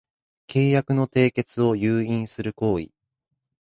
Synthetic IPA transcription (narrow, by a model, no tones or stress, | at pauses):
kʰe̞ːjakɯ̟no̞t̪e̞ːke̞t͡sɨo̞jɯːĩɰ̃sɨɾɯ̟ko̞ːḭ